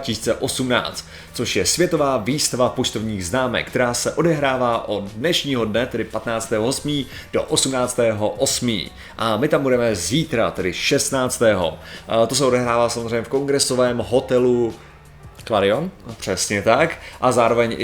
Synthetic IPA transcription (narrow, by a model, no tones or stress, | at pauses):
acɪsiːt͡sɛʔo̞sumna̰ːt͡st̪ | t͡so̞ʃjɛsvjɛt̪o̞vaːviːst̪avapo̞t͡ʃt̪ovɲiːɣznaːmɛ̰kːt̪ɛɾaːsɛʔo̞dɛɦɾaːvaːʔod̪nɛʃɲiːɦo̞dnɛt̪ɛdɪpat̪naːt͡st̪ɛːɦoɦo̞smiː | d̥o̰ʔosumnaːt͡st̪ɛːɦo̞ʔo̞smḭː | ʔamɪt̪ambudɛmɛziːt̪ɾat̪ɛdɪʃɛst̪naːt͡st̪ɛːɦo̞̰t̪o̞s̬ɛo̞dɛɦɾaːvaːsamozrɛɲːɛfko̞ŋɡɾɛso̞vɛːmɦo̞t̪ɛlu | kladɪonpr̝̥ɛsɲɛt̪akʔazaːɾovɛɲʔɪ